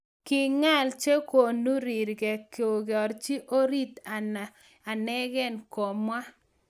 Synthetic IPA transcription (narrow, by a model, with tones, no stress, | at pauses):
kɪ˨ŋa˦lt͡ʃe˦ko˨nu˦ɾi˨ɾɡɛ˨ko˨ɡe˨ɔ˨ɾt͡ʃi˦ʔo˦ɾi˦t̪a˨na˨ | a˨nɛ˦ɡɛ˦˨nko˨mwa˦